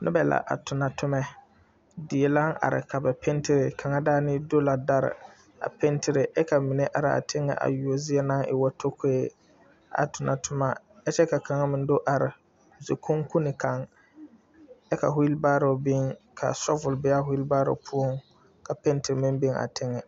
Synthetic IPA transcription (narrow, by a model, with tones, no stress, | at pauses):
nʔʊ̰˦bɛ˨la̰˨ʔa̰˨tʊ˨na˨tʰʊ˦mɛ˦ | dɪ˨e˨la˦ŋa̰˨ɾɪ̰˨kʰa˨bɛ˨pʰe˦ntɪ˦ɾɪ˨kʰa˨ŋa˦daː˦nɪ˦do˦la˨da˦ɾɪ̰˨ | a̰˨pɛ˦ntʰɪ˨ɾɪ˨ʔɛ˦ka˨mɪ˨ne˦ʔa˨ɾɪ˨a̰˨tʰɪ˦ŋːɛ̰˨ʔa̰˨ju˨o˨zɪ˦ɛ˦na˦ŋɪ̰˨wɔ˦tʰo˦kʰo˦e˦ | a̰˨tʊ˨na˨tʊ˦ma˦ | ɛ˦t͡ʃɛ˦ka˨ka˨ŋa˦mɪ˨n˦dʊ˦ʔa˨ɾɪ˨ | ze˨kʰʊ˦ŋku˦nɪ˨ka˨ŋ | ɛ˦ka̰˨ɦʊ˦i˦lba˦ɾo˨bɪ˦ŋkʰa̰˨sɔ˦vʊ˨lbɪ˦a˦hʊ˦i˦lbaː˦ɾo̰˨pʰu˦o˦˨ŋ | ka˨pe˦ntɪ˨ɾmɪ˦nbe˦ŋa̰˨tʰɪ˦ŋɛ˨